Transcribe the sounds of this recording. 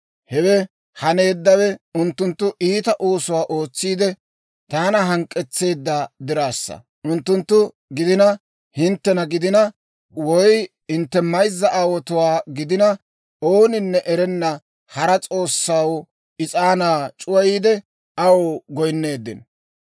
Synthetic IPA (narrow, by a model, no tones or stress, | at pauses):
hɛwɛ | hɐne̞ːd̪ːɐwɛʊnt̪ːʊnt̪ːʊʔiːt̪ɐʔoːsʊwaːʔo̞ːt͡sːiːd̪ɛ | t̪aːnɐɦɐŋkʼːɛt͡sːe̞ːd̪ːad̪ɪɾaːsːɐ̰ | ʔʊnt̪ːʊnt̪ːʊ | ɡɪd̪ɪnɐ | hɪnt̪ːɛnɐɡɪd̪ɪnɐ | wɔj | hɪnt̪ːɛmɐjzːɐʔaːwɔt̪ʊwaːɡɪd̪ɪnɐ | oːnɪnːɛʔɛɾɛnːɐ | hɐɾɐt͡sʼo̞ːsːaw | ɪt͡sʼaːnaːt͡ʃʼʊwɐjiːd̪ɛ | ɐwɡɔjnːe̞ːd̪ːɪ̰n